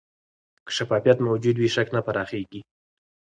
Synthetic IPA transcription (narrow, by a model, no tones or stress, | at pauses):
kə̥ʃafɑfijat̪mawd͡ʒud̪wiʃaknapaɾɑxeɡi